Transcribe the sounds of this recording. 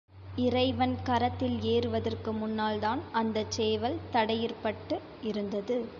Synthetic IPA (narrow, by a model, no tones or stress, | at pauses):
ɪɾɐɪʋɐnkɐɾɐt̪ːɪleːɾɯʋɐðɐrkɯmʊnːaːlt̪aːnɐnd̪ɐt͡ʃeːʋɐlt̪ɐɽɐjɪrpɐʈːɯ | ɪɾɯnd̪ɐðɯ